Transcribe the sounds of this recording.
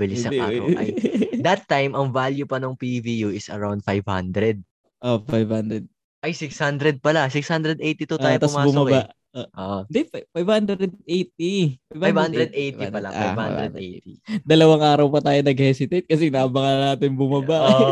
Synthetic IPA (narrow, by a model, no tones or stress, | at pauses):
bɪlɪɐd̪aɐw̰ | d̪ɐt̪ːajmʔɐŋvaljupɐnoŋpivijuɪsɐ̰ɹawnd̪̚fajvhã̰nd̪ɾɛd̪̚ | ʔofajvhand̪ɾɛd̪̚ | ʔɐjsɪkshand̪ɾɛd̪̚pɐlasɪkshand̪ɾɛd̪ʔejt̪it̪oaːjot̪ɐsmaːbʊsmɐbaʔ | oʔoʔd̪ɛfajbhand̪ɾd̪̚ʔejt̪̚ifajbhavhãnd̪ɾɛd̪̚ʔejtḭpɐla̰ʔaj̰ha̰ɾɛd̪ḛt̪id̪ɐlɐwaŋʔaːɾɐwpɐt̪aːjonɐɡ̚hɛsɪt̪et̪̚kɐs̬ɛnaʔɐbɐŋanaːt̪ɪnbʊmɐbaʔ